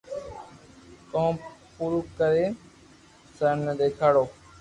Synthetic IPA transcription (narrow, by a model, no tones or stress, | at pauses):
kõːpuɾukəɾeː | sənəd̪eːkʰaːɽoː